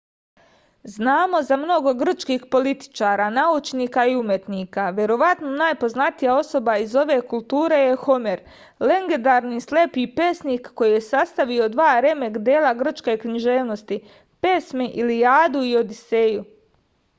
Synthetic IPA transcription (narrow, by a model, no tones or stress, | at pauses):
znaːmo̞zamno̞ɡo̞ɡr̩t͡ʃkixpo̞lit̪i̥t͡ʃaːɾaːnaut͡ʃniːkaiumjet̪niːkaʋje̞ɾo̞ʋat̪nonaːjpo̞znat̪ijao̞so̞baizo̞ʋe̞ːkulˠt̪uːɾe̞je̞xo̞meɾ | le̞ŋɡed̪aːɾniisle̞pipe̞sniːkːo̞jijesast̪aʋio̞d̪ʋaːɾe̞me̞kd̪eːlaɡr̩t͡ʃke̞ːkɲiʒe̞ːʋno̞st̪i | pe̞smeʔilijaːd̪uio̞d̪ise̞ːju